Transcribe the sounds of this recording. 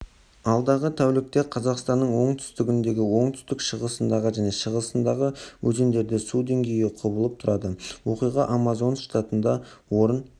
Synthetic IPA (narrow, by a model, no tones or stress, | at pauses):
ɑlˠd̪ɑʁət̪ʰæwlɪk̚t̪e̞qʰɑzɑqst̪ɑnːəɴwo̞ɴt̪ʰʏ̥st̪ɪɡʲɪnd̪e̞ɡʲɪwo̞ɴt̪ʰʏ̥st̪ɪkʃəʁəsənd̪ɑʁəʒæne̞ʃəʁəsənd̪ɑʁəwɵzend̪e̞ɾd̪ɪsud̪e̞ŋɡʲe̞jɪqʰobəlˠəp̚t̪ʰʊɾɑd̪əwo̞qijʁɑʔamɑzo̞nʃt̪at̪ənd̪ɑwo̞ɾən